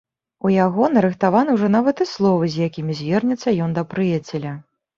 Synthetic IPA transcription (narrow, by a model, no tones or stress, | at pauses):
ujaɣɔnɐɾɨxt̪avanɨwʐɔnavɐt̪ɨslˠɔvɨzʲjakʲimʲizʲvʲɛrnʲɛt̪sːɐjɔnd̪ɐpɾɨjat͡sʲɛlʲɐ